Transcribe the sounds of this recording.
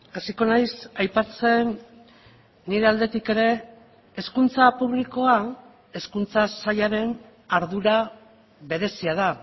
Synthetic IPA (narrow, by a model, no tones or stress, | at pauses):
asiko̞najsajpat͡se̞n | iɾe̞ald̪e̞t̪ike̞ɾe̞ː | skunt͡sapuβliko̞a | e̞skunt͡sasajaɾe̞n | aɾðuɾa | βe̞ɾe̞siaða